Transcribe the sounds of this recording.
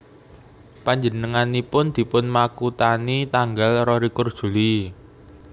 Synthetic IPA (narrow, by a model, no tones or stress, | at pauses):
paɲd͡ʒənəŋanipʊnd̪̥i̤pʊnmakut̪anit̪aŋɡalrɔɾikʊrd̥ʒ̥ṳli